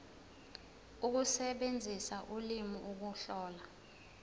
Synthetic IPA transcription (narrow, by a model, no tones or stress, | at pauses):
uk̬usɛɓend͡zʱisaʔulimiʔuk̬uɬɔːla